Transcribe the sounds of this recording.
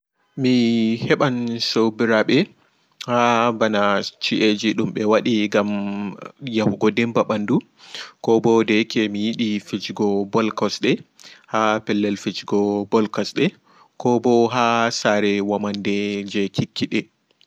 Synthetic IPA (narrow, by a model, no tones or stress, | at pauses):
mihɛɓansowbiɾaɓɛ | habanat͡ʃiʔed͡ʒiɗumɓɛwaɗiɡam | jahuɡɔdɛmbaɓandu | kɔbɔdɛkʰɛmijiɗifid͡ʒɡɔbɔlkɔsɗɛhapɛlːɛlfid͡ʒɡɔbɔlkɔsɗɛ | kɔbɔɦasaɾɛwamandɛd͡ʒɛkʰikʰːiɗɛ